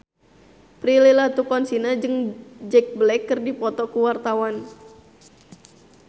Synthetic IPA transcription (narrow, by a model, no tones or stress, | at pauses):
pɾililat̪ukɔnsinad͡ʒɨŋd͡ʒɛk̚blɛkːɨrdipɔt̪ɔkuwart̪awan